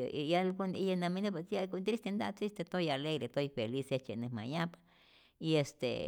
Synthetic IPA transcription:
jalkonijanaminep̬esjakont̪ɾist̪end̪aʔt̪ɾist̪et̪ojaleɣɾet̪ojfeliset͡ʃenehma̰japḁ | iest̪ḛ

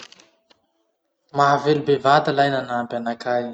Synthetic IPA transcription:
maɦavelubevat̪alajnanampanakʰaj

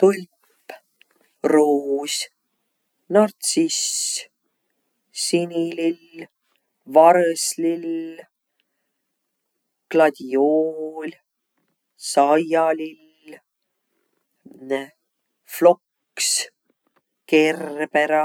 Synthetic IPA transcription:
t̪ulʲppː | ruːs | nɑrt̪sis | sinʲilil | vɑɾslil | klɑd̪̥ʲiolʲ | sɑjɑlil | flo̞k | s | kerbeɾɑ

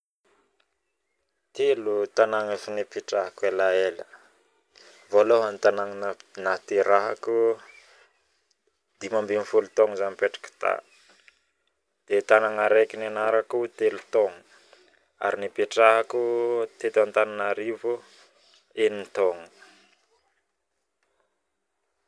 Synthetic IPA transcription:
t̪elut̪anaŋafinipiʈ͡ʂaɦakuelaelə | voloɦant̪anaŋnat̪eɾaɦaku | d̪̥imambinifulut̪oŋzanipeʈ͡ʂḁkə̥t̪a̰ | d̪̥et̪anaŋaɾekinanaɾakut̪elut̪oŋu | a̰ɾinipeʈ͡ʂaɦakut̪et̪ant̪ananaɾivu | enint̪oŋu̥

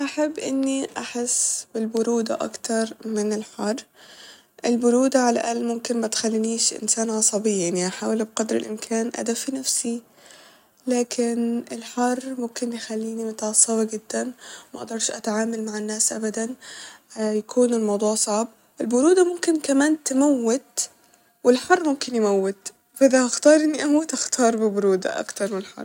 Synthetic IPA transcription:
ʔaħabːʔɪnːiʔaħɪsbɪlbʊɾuːd̪a̰ʔa̰kt̪ɑɾˤmɪnɪlħɑrˤː | ʔɪlbʊɾuːd̪aʕala̰ʔalːmʊmkɪnmat̪xalːiniːʃʔɪ̰nsaːnʕɑsˤɑbɪjːanːiʔaħaːwɪlbqɑd̪ɾɪ̰lʔɪmkʰaːnʔa̰d̪afinafsi | laːkʰɪnʔɪlħɑrˤːmʊmkɪnjxalːiːnimʊt̪ʕɑsˤːɑbɑɡɪd̪ːanmaʔɑd̪ˤɑɾˤʃʔa̰t̪ʕaːmalmaʕɪnːaːsʔa̰bad̪an | jakʰuːnɪlmɑwd̪ˤuːʕsˤɑʕb̚ | ʔɪlbʊɾuːd̪amʊmkɪnkamaːnt̪ɪmawːɪt̪ | wɪlħɑrˤːmʊmkɪnjmawːɪt̪ | faʔɪðahaxt̪ɑːɾˤʔɪnːiʔawat̪ʔaxt̪ʰɑːɾˤbɪbʊɾuːd̪a̰ʔa̰kt̪ɑɾˤmɪnlħɑ̰rˤː

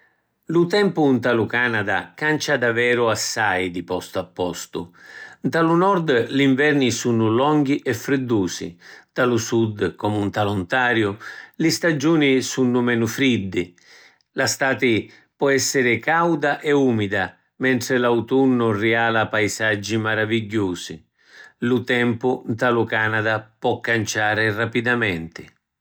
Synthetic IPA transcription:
lut̪ɛmpʊnt̪alukanad̪a̰kant͡ʃad̪avɛːɾʊasːajd̪ipɔst̪apːɔ̰st̪ʊ̰nt̪alunɔɾd̪liɱvɛrnisunːʊlɔŋɡ̟iʔɛfːɾɪd̪ːuːsḭt̪alusud̪kɔmunt̪alunt̪aːɾjʊlɪst̪ad͡ʒuːnisunːʊmɛnʊfɾid̪ːɪ | last̪aːt̪ɪ | pɔɛsːɪɾɪkawd̪aʔɛuːmid̪a | mɛnt̪ɾɪlawt̪unːʊriaːlapajsad͡ʒːimaɾaviɟːuːsḭ | lut̪ɛmpʊnt̪alʊkaːnad̪apɔkːant͡ʃaːɾɪrapid̪amɛnt̪ɪ

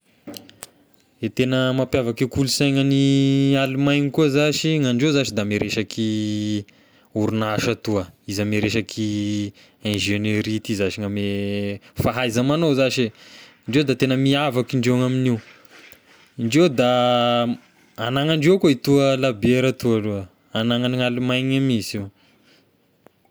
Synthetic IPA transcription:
et̪enəmapjavakikulusajŋənialimajnikuəzaʃiŋaɳɖ͡ʐewzaʃid̪ameɾeʃakʰi | uɾunaʃat̪uəizameɾeʃakʰi | ẽʒeneɾit̪izaʃiŋame | faɦajzamanozaʃeiɳɖ͡ʐewd̪at̪enəmiavakiɳɖ͡ʐeŋaminiw | iɳɖ͡ʐewd̪a | anaŋaɳɖ͡ʐewkoit̪uəlabeɾət̪ualuə | anaŋaniŋalimajɲamisi

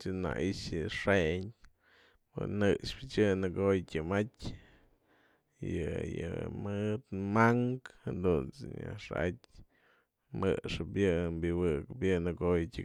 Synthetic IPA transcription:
t͡ʃɨna̰ʔiʃjɨʂeɲ | pɨ̰nɨʔʂpɨt͡ʃɨnɨɡojkʲɨmatʲ | jɨjɨmɨt̪maŋkhend̪unt͡sɨɲa̰ʂatʲ | mɨʂɨpjɨbɨwɨkɨpjɨnɨɡojtʲɨ

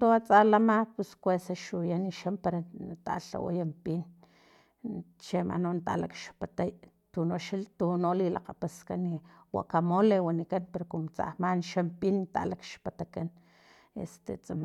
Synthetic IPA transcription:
t̪oat͡sʼalamapuskwesaʃujaniʃampaɾat̪a̰ɬa̰wa̰jampin | t͡ʃema̰nont̪alakʃpat̪aj | t̪unoʃalt̪unolila̰qapaskanːiwa̰ʔkamolewanikanpeɾokumot͡sa̰hmanʃampint̪a̰lakʃpat̪akan | ḛst̪ḛt͡sʼam

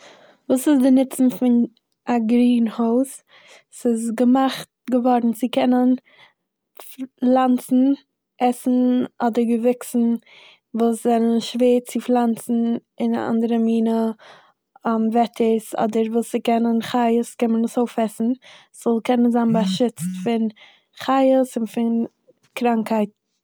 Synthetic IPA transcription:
vuːsɪzdɪnɪt͡sn̩fɪn | aɡɾiːnhoʊs | sɪzɡəmaχt̚ɡəvɔɾdn̩zɪkʰɛnən | flˠant͡sn̩ | ʔɛsn̩ɔdəɾɡəvɪksn̩ | vuːszɛnənʃveːt͡sɪflˠant͡sn̩ɪna̰a̰ndəɾəmiːnə | amvɛtʰəsɔ̰dəɾvuːsɪkɛnənχaɪəskɛnmənɪsoʊfɛsn̩ | sz̥ɔlˠkʰɛnənzaːnbaʃɪt͡stfɪn | χaɪəsʊnfɪn | kɾaŋkhaɪt̚

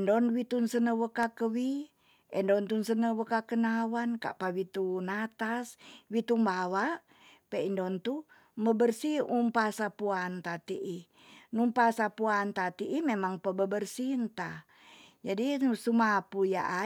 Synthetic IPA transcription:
ndɔnwit̪unsənəwəkakəwi | ʔɛndɔnt̪unsənəwəkakənawanka̰ʔpawit̪unat̪aswit̪umbawaʔ | pɛindɔnt̪u | məbərsiumpasapuant̪at̪iʔi | numpasapuant̪at̪iʔimemaŋpəbəbərsint̪a | d͡ʒadisumapuja̰ʔa

